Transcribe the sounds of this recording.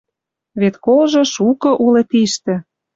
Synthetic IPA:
βet̪kolʒɤ̆ʃukɤ̆ʔulet̪iʃt̪ĕ

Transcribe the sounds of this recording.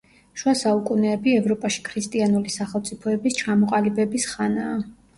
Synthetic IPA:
ʃuwasaukʼunɛːbiɛvɾɔpʼaʃi̥kʰɾist̪ʼianulisaχɛlˠt̪sʼipʰɔɛbist͡ʃʰamɔqʼalibɛbisχanaː

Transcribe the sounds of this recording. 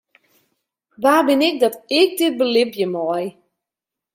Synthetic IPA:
vaːbɪnɪk̚dɔtɪk̚dɪt̚bəlɪvjəmɔj

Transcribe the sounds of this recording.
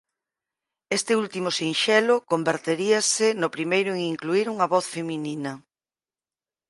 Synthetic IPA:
est̪ɪult̪imʊsinʃɛlʊkombeɾt̪eɾiasɪnʊpɾimejɾʊeŋiŋkluiɾuŋɐβɔθfemininɐ

